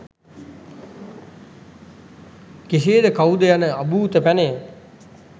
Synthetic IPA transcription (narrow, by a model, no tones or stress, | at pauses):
keseːd̪əkawd̪əjanəabuːt̪əpæne